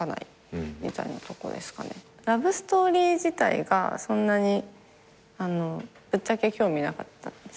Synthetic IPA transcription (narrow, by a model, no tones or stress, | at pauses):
ana̰i | mʲḭt̪aḭnat̪o̞ko̞̰d̪e̞sɨ̥ka̰ne̞̰ | ɾabɯ̟sɨ̥t̪o̞ːɾʲiːd͡ʑit̪a̰ḭɡa̰sõ̞nːaɲ̟i | ano̞ | b̥ɯ̟t͡ɕːake̞kʲo̞ːmʲinakat̪ːand̪es